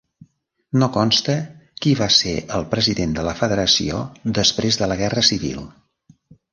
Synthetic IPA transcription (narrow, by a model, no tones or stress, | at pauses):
nokɔnst̪əkiβasḛʔəlˠpɾəziðend̪ələfəðəɾəsḭo̰d̪əspɾezðələɣɛrəsiβḭlˠ